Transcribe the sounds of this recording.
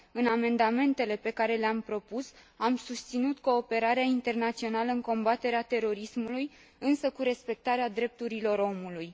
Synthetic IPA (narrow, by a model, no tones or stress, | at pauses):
ɨname̞nd̪ame̞nt̪e̞le̞pe̞kaɾe̞leampɾo̞pus | amsust̪sinut̪ko̞ːpe̞ɾaɾeaint̪e̞rnat̪sio̞naləɨŋko̞mbat̪e̞ɾeat̪e̞ɾo̞ɾismuluj | ɨnsəkuɾe̞spe̞k̚t̪aɾead̪ɾe̞p̚t̪uɾilo̞ɾo̞muluj